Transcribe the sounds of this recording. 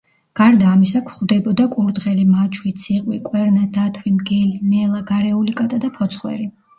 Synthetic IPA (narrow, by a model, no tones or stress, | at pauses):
ɡ̥aɾd̪aːmisakʰχwd̪ɛbɔd̪akʼuɾd̪ʁɛlimat͡ʃʰwit̪sʰiqʼwikʼwɛɾnad̪at̪ʰwimɡɛlimɛlˠaɡaɾɛulikʼat̪ʼad̪apʰɔt̪sʰχwɛ̰ɾi